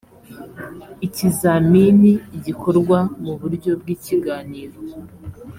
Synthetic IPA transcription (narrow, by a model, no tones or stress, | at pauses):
icizaminiɟikʰo̞ɾɡwamuβuɾɟo̞b̚ɡiːciɡaːniːɾo